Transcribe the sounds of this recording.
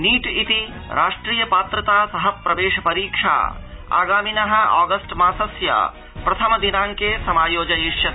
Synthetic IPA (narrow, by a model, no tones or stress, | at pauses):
niːʈit̪i | ɾʔa̰ːʂʈɾiːjɐpaːt̪ɾət̪aːsɐɦɐpɾɐʋeːʃɐpɐɾiːkʂʰa̰ː | a̰ːɡaːminɐɦɐ̆a̰ːɡɐsʈmãːsɐsja̰ | pɾɐt̪ʰɐmd̪inãːŋkesɐmaːjoːd͡ʒɐjiʃjɐ